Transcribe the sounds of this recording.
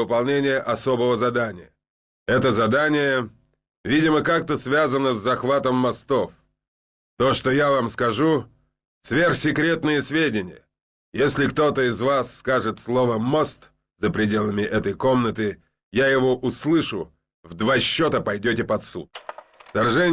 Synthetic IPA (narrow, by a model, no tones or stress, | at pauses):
vɨpɐlˠnʲenʲɪjəʔɐso̞bəvəzɐd̪anʲɪ̰jə | ɛt̪əzɐd̪anʲɪjə | vʲidʲɪməkak̚t̪əsvʲazənəzːɐxvat̪əmːɐst̪o̞f | t̪o̞ʂt̪ojavamskɐʐu | svʲerxsʲɪkɾʲe̞t̪nɨjəsvʲedʲɪnʲɪjə̰ | jesʲlʲɪkt̪o̞t̪əɪzvasːkaʐɨt̪slˠovəmo̞st̪ | z̥əpɾʲɪdʲe̞lˠəmʲɪʔɛt̪əjko̞mnət̪ɨ | jajɪvo̞ʔʊslˠɨʂʊ | vd̪vaɕːo̞t̪əpɐjdʲotʲɪpɐt̪sṵt̪ft̪ɐrʐɛnʲ